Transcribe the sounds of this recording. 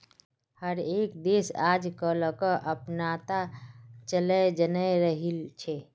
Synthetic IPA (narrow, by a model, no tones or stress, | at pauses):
həɾekd̪esad͡ʒkələkəʔəpnat̪at͡ʃələd͡ʒənəɾəɦilt͡ʃʰɛ